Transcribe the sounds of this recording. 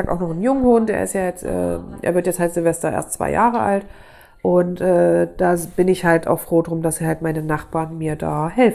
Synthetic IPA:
aːk̚ta̰ʊxnɔχn̩jʊŋəhʊntd̥ḛːɐɪ̰stjaːjɛt͡stʔɛ̰ːʔḛːɐvɪɐtjɛt͡shaltz̥ɪlvɛstɐʔḛɐstt͡sv̥a̰ɪjaːʁəʔa̰lt | ʔʊntʔɛːd̥aːb̥ɪnɪçhalta̰ʊxfʁ̥oːdʁʊmdasiːhaltmaɪnənaχb̥aːɐnmiːɐda̰ːhɛlf

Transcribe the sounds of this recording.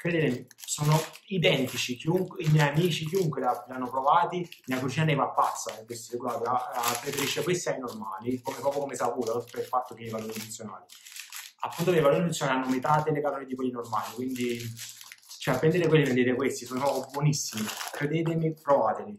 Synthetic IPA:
kɾed̪eːt̪emisɔːnoid̪ɛnt̪it͡ʃik̟iuŋkimjɛjamiːt͡ʃik̟iuŋkwelalianːopɾovaːt̪imiakːut͡ʃinaːɾevapːat̪sːaekwest̪iɾeɡlaːt̪iapːɾefeɾiʃːekwest̪iainorma̰ːlikomepɾɔːpjokomesapuːt̪apːɾefat̪ːokeivaloːɾimunt̪sːjonaːli | a̰pːunt̪od̪eivaloːɾinunt̪sjonalianːomet̪aːt̪elekalɔːnid̪ikwelːinormaːlikwind̪i | t͡ʃɛapːɾɛnd̪eɾekwelːivend̪eːɾekwest̪isɔːnobwɔnisːimikɾed̪eːt̪̬emipɾovaːt̪eli

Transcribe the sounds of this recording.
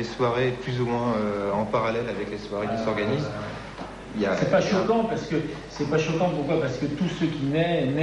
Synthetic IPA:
eswaʁeplyzumwɛ̃øɑ̃paʁalɛlavɛkleswaʁekisɔʁɡaniz | iljasɛpaʃɔkɑ̃paʁsə̥kə | sɛpaʃɔkɑ̃puʁkwapaʁsə̥kət̪usøkʲinɛnɛ

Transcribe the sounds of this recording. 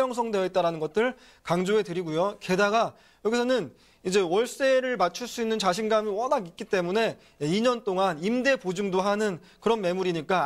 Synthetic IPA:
ʌŋs̬ʰʌŋde̞jʌit̚t͈aɾanɯnɡʌt̚t͈ɯɭ | kaŋd͡ʑoe̞tɯɾiɡujoke̞daɡa | jʌɡisʰʌnɯn | id͡ʑe̞wʌɭs͈e̞ɾɯɭmat͡ɕʰuɭs͈uinːɯnt͡ɕaɕ̬ʰinɡamiwʌnaɡik͈it͈e̞mune̞ | iɲʌnt͈oŋanimde̞pod͡ʑɯŋdoɦanɯn | kɯɾʌnme̞muɾiɲik͈a

